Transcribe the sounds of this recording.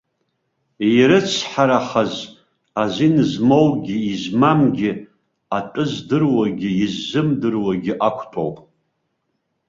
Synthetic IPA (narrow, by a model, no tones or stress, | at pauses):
iɾɨt͡sʷʰħaɾaħaz | azʷinɨzmowɡʲɪizmamɡʲɪ | atʼɨzdɨrwaɡʲɪizːɨmdɨrwaɡʲɪʔakʷʰtʰo̰wpʼ